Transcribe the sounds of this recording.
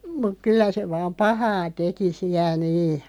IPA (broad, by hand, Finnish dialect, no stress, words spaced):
muk̆ kylːæ se ʋɑːm pɑhɑː teki siæ niː